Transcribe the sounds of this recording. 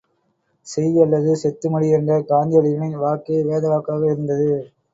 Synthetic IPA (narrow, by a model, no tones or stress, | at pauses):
sɛjʋiɐlːɐðɯsɛt̪ːɯmɐɽɪɛndɐkaːnd̪ɪjɐlɪɣɐɳɪnʋaːkːeʋeːðɐʋaːkːaːɣɐɪɾɯnd̪ɐðɯ